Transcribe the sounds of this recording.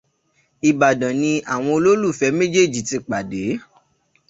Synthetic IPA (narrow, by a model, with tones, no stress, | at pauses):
i˨ba˨dã˨nĩ˧a˨w̃ɔ̃˧o˧lo˦lu˦˨fɛ˨˧˦mẽ˦d͡ʒe˦˨d͡ʒi˨ti˧k͡pa˨de˨˦